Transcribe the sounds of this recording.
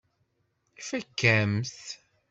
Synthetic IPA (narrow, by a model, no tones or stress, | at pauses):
ifækːæmθ